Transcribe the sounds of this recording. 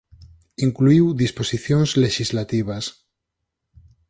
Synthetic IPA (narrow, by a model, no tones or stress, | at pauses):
iŋkluiwðisposiθjonzleʃizlat̪iβ̞as